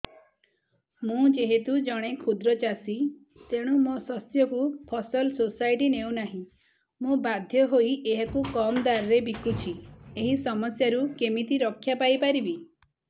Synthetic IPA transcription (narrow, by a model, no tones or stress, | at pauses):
mũd͡ʒeɦet̪ud͡ʒɔɽ̃ekʰud̪ɾɔt͡ʃasi | t̪eɽ̃umɔsɔsjɔkupʰɔsɔlsosajʈineuwnaɦĩ | mũbad̪ʱjɔɦoiʔeɦakukɔmd̪aɾɔɾebikut͡ʃʰieɦisɔmɔsjaɾukemit̪iɾɔkʰːjapajpaɾibi